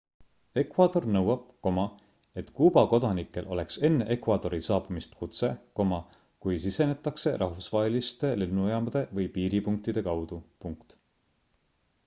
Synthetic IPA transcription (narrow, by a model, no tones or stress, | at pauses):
e̞kvɑd̪̥o̞rnɤwɑb̥̚ko̞mɑ | e̞t̪kuːb̥ɑko̞d̪ɑnikːˑe̞lʔo̞̰le̞kse̞nːeʔe̞kvɑd̪o̞ɾisɑːbumist̪kut̪se̞ko̞mɑ | kujsise̞ne̞t̪ːˑɑkse̞rʔɑhvusvɑːɦelist̪e̞lenːujɑmɑd̪̥e̞vɤjpiːɾipuŋk̚t̪id̪̥e̞kɑwd̪̥upuŋkt̪